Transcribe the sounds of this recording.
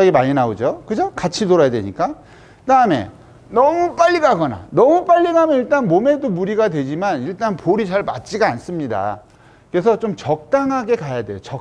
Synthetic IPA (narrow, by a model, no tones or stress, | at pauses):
aɡimaɲinaod͡ʑokɯd͡ʑokat͡ɕʰitoɾajadwe̞̰ɲik͈a | kɯdaɯme̞̰ | nʌmup͈aʎːiɡaɡʌna̰nʌmup͈aʎːiɡamjʌniɭt͈anmome̞domuɾiɡadwe̞d͡ʑimaniɭt͈anpoɾit͡ɕaɭma̰t̚t͡ɕ͈iɡaːns͈ɯmɲida̰ | kɯɾe̞sʰʌt͡ɕomt͡ɕʌk̚t͈aŋɦaɡe̞kajadwe̞̰jot͡ɕʌ